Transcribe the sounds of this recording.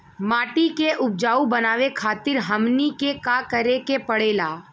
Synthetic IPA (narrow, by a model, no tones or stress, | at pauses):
maːʈikeʔʊp̚d͡ʒaːubənaːʋekʰaːt̪ɪɾɦəmnikekakəɾekepəɽeːlaː